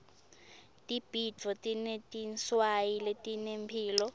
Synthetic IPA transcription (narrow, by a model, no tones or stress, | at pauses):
tʼib̥i̥d͡vʱɔtʼinetʼinswajiletʼinempʰiːlɔ